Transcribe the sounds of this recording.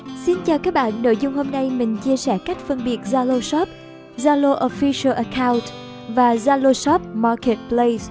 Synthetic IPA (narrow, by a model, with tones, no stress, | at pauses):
si˧nt͡ɕaː˨˩wkaː˦˥k̚ɓa̰ː˧˨nːo̰˧˨jzʊ˧ŋ͡mho˧mna˧jmï˨˩ŋ̟t͡ɕi˧əsɛ˧˩ka˦˥jk̟̚fə˧nɓi˨˩ət̚zaː˧lo˧sɔ˦˥p̚ | zaː˧lo˧ʔo˧fi˧sə˧lʔə˧kʰaː˧wnt̚ | vaː˨˩zaː˧lo˧sɔ˦˥p̚maː˧ke˨˩t̚ple˧js